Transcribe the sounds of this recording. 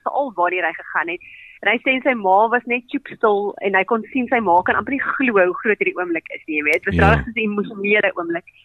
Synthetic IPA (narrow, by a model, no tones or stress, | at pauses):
fəʔɐlˠvɑːrniəɾɦəjχəχɐnɦɛt̚nɦəjstɛnsəjmɑːvɐsnɛt̚t͡ʃupstəlˠɛ̰nɦəjkonsinsəjmɑːkɐnʔɐmpəχniχluəɦuχruətiːrdiuəmləkə̰snijəjviəətvɐstrɑːɾəχsəsəimuʃoniələʔṵəmlək